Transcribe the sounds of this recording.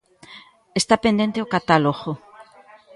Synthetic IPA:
est̪apend̪ent̪eokat̪aloɣo

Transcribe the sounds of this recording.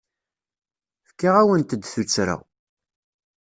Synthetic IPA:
fkːaʁæwənt̪əd̪θut͡sːɾa̰w

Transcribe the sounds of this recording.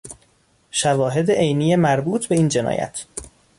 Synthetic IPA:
ʃævɒːɦe̞d̪eʔejniːjemæɾbuːt̪ʰbe̞iːnd͡ʒe̞nɒ̰ːjæ̰t̪ʰ

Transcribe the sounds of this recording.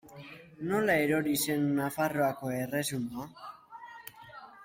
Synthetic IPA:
no̞lae̞ɾo̞ɾise̞nːafaro̞ako̞e̞re̞sumua

